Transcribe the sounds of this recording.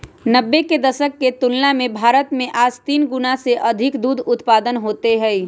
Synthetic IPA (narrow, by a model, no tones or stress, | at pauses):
nəbːeked̪əsəkːet̪ʊlnamẽbʱaːɾət̪mẽʔaːd͡ʒt̪iːnɡʊnaseʔəd̪ʱɪkd̪uːd̪ʱʊt̪paːd̪ənɦoːt̪eɦɛi